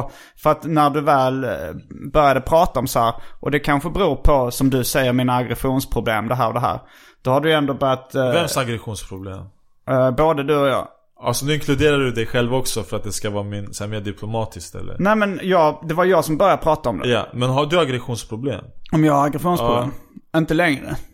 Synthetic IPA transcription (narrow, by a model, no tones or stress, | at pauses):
fœɾat̪næɖɵvɛːlbœɾjad̪əpʰɾɑːt̪aɔmsɔhæːɾʔɔd̪ɛkʰanɧəbəɾuːɾpʰɔsɔmd̪ɵsɛjːəɾminaːɡɾɛɧuːnspʰɾʊblḛːmd̪ɛɦæːɾɔd̪ɛɦæ̰ːɾ | d̪̥ɔhaɖɵjɛnd̪obœɾjat̪vɛmsaɡɾɛɧuːnspʰɾʊblḛːm | boːd̪əd̪ɵɔjɑ̰ː | a̰lsɔnʉɪŋkʰlɵd̪eːɾaɖɵd̪ɛjɧɛlvɔksɔfœɾat̪̚d̪ɛskavɑːɾmɪnsæmeːɖɪpʰlʊmɑːt̪ʰɪskt̪ɛ̰lːə̰ɾnæːmɛnjɑːɡd̪ɛvajjɑːɡsɔmbœɾjad̪əpɾɑːt̪aɔmd̪ɛ̰ja̰mɛnɦaɖɵaɡɾɛɧuːnspʰɾʊblḛːmɔmjɑːɡaɾaɡɾɛɧuːnspʰɾʊblḛːmɪnt̪əlɛŋɾə̰